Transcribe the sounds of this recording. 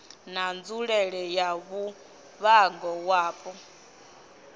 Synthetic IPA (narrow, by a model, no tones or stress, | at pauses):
nand͡zuɺɛɺɛjaβu | βaŋɡɔwaːpʼɔ